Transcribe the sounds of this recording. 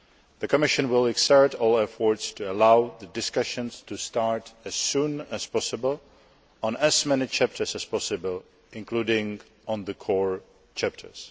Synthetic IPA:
ðəkɔmɪʃɨ̃nwɪlˠɛksɛɹtɔːlɛfɔɹtstuɛlawðədɪskʌʃə̃nstustaɹtɛz̥sũːnɛspɔsɪbəl̩ˠ | ɔ̃nɛzmɛnɪt͡ʃʰæp̚tʰə˞sɛspɔsɪbəl | ɪ̃nkluːdɪ̃ŋ | ɔ̃nðəkʰɔɹ | t͡ʃʰæp̚tʰə̰˞s

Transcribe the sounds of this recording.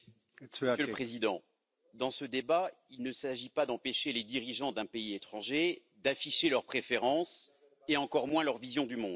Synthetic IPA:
məssjøləpχezid̪ɑ̃ | d̪ɑ̃səd̪eba | ilnəsaʒipad̪ɑ̃peʃeled̪iʁiʒɑ̃d̪ɛ̃peiet̪χɑ̃ʒe | d̪afiʃelœʁpχefeʁɑ̃s | eɑ̃kɔʁmwɛ̃lœʁvizjɔ̃d̪ymɔ̃d̪

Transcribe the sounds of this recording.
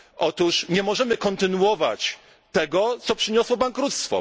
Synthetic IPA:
ʔɔt̪uʂɲɛmɔʐɛmɘkɔnt̪ɘnuwɔva̰t͡ɕ | t̪ɛɡɔt̪sɔpʂɘɲɔswɔbaŋkɾut̪st̪fɔ̰

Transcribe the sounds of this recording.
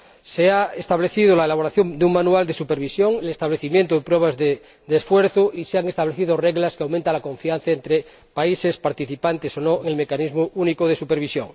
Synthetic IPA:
seaest̪aβleθið̞olaelaβ̞o̞ɾaθjo̞ŋd̪euŋmanuald̪esupeɾβisjoŋelest̪aβleθimjent̪oðepɾweβ̞azðe | d̪esfweɾθoʔiseaŋest̪aβleθiðoreɣlaskeawmẽnt̪alako̞ɱfianθaent̪ɾe | paisespaɾt̪iθipant̪esonoeŋelmekanizmoʔunikoðesupeɾβ̞isjo̰ŋ

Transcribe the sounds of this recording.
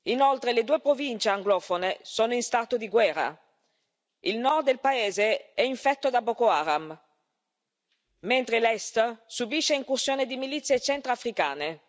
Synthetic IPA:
inolt̪ɾeled̪uːepɾovint͡ʃeaŋɡlɔːfonesoːnoinst̪at̪od̪iɡwɛːra̰ | ilnɔrd̪̚d̪elpaeːzeɛiɱfɛt̪ːod̪abokoaːɾam | ment̪ɾelɛst̪subiʃːeiŋkursjoːned̪imilit̪sːjet͡ʃɛnt̪ɾafɾika̰ːne

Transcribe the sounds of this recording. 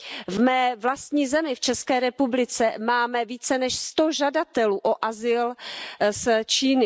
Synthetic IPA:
vmɛːvlast̪ɲiːzɛmɪft͡ʃɛskɛːɾɛpublɪt͡sɛmaːmɛviːt͡sɛnɛʃst̪o̞ʒadat̪ɛluːʔoʔazɪlst͡ʃiːnɪ

